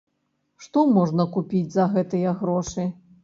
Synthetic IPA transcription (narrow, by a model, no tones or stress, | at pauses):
ʂt̪ɔmɔʐnɐkupʲid͡zʲzɐɣɛt̪ɨjɐɣɾɔʂɨ